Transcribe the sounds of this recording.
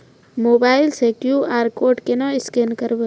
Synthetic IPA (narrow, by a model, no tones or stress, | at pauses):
moːbaːɪlsekjuaːɾkoːʈkenãɪskeːnkəɾbe